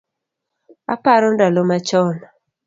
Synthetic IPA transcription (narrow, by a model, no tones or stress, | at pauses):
a̰paɾɔndalomat͡ʃɔn